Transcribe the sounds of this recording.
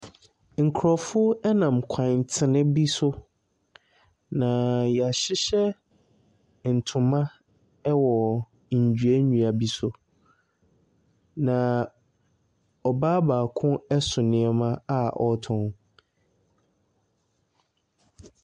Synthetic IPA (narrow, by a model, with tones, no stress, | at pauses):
ŋ̩˨kʰɾɔ˨fʊ˦ɛ˦nã˨mkʷʰã˨n˨tʰɪ˨nɪ̃˦bi˦sʊ˦ | nã˨jɛ˨a˨ɕɪ˦ɕɛ˦ | n̩˨tʰʊ̃˨mã˦ | wɔ˨ | n̩˨d͡ʑᶣɥe˦ɲũ˨a˨bi˦sʊ˦ | nã˨ | ɔ˨baː˦baː˨kʰʊ̃˦ɛ˦sʊ˨nɪ̃˦ɛ˦mã˦a˦ʔɔ˨tʰɔ̃˦n